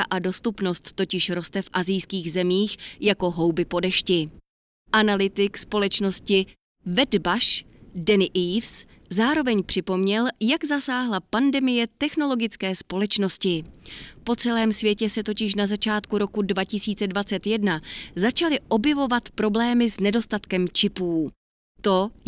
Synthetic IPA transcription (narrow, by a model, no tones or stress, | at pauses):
aʔado̞st̪upno̞st̪ːo̞cɪʃɾo̞st̪ɛfʔazɪjskiːɣzɛmiːxjako̞ɦo̞wbɪpo̞dɛʃcɪ | ʔanalɪt̪ɪkspo̞lɛt͡ʃno̞scɪ | vɛdbaʃ | dɛnɪʔiːfs | zaːɾo̞vɛɲpr̝̥ɪpo̞mɲɛljaɡzasaːɦlapandɛmɪjɛt̪ɛxno̞lo̞ɡɪt͡skɛːspo̞lɛt͡ʃno̞scɪpo̞t͡sɛlɛːmsvjɛcɛsɛt̪o̞cɪʃ̬nazat͡ʃaːt̪kuɾo̞kudvacɪsiːt͡sɛdvat͡sɛt̪jɛdnazat͡ʃalɪʔo̞bjɛvo̞vat̪pɾo̞blɛːmɪznɛdo̞st̪at̪kɛmt͡ʃɪpuː | t̪o̞